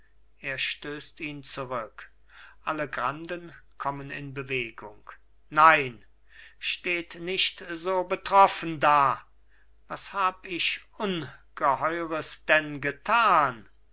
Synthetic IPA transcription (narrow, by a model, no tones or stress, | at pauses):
ʔeːɐʃtøːstiːnt͡suʁʏk | ʔaləɡʁandənkʰɔmənɪ̰nbəveːɡʊŋk | naɪn | ʃteːtnɪʃtzoːbətʁ̥ɔfəndaː | vashaːbəɪʃʔʊnɡ̥əhɔʏʁəsd̥ɛnɡətʰaːn